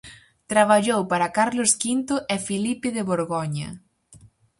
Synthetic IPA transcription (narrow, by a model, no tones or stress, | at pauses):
t̪ɾaβ̞aʎowpaɾɐkaɾloskint̪ʊʔɛfilipeðɪβoɾɣoɲɐ̰